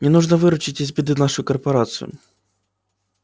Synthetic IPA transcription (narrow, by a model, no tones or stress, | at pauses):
nʲɛnuʐnɐvɨɾʊt͡ʃɪtʲizʲbʲɪd̪ɨnaʂʊjʊkɐrpɐɾat̪sɨ̰jʊ̰